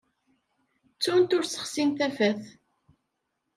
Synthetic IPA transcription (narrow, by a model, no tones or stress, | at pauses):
t͡sːunt̪ʊɾsə̥χsint̪æfæθ